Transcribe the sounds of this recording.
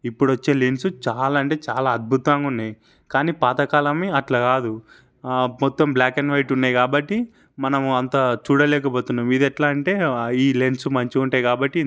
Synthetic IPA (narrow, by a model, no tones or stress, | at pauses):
ipːuɽʋɐt͡ʃːe̞ːlensut͡ʃaːlaɐɳʈe̞ːt͡ʃaːlaːɐd̪̚bʱut̪ʋaŋɡɐunːaːji | kaːniːpaːt̪ɐkaːlɐmiɐʈlɐkaːd̪u | mɔt̪ːɐmbljaːkenʋɐjʈunːaːjkaːbɐʈːi | mɐnɐmɐnt̪ɐt͡ʃuːɽɐlɛːk̬ɐpoːt̪unːaːmid̪ɛʈlaːɐɳʈe̞ːiːlensumɐɲt͡ʃiuɳʈaːjkaːbɐʈːi